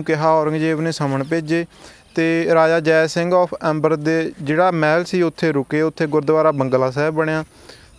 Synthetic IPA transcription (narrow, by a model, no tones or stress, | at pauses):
ũːkɪɦaːɔːɾəŋɡd͡ʒeːʋnẽːsəməɳpeːd͡ʒeːt̪eːɾaːd͡ʒaːd͡ʒɛːsɪ̃ŋɡɔːpʰɛ̃ːmbəɾd̪eːd͡ʒeːɽaːmɛːlsiːʊt̪ʰːeːɾʊkeːʊt̪ʰːeːɡʊɾd̪ʋaːɾaːbəŋɡlaːs̬ɛːbbəɳ̃ejaː